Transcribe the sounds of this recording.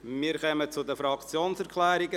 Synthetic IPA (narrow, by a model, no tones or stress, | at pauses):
miːkœmət͡sʊd̪əfɾɑkt͡sjoːnsɛɾkʰlɛːɾɪɡə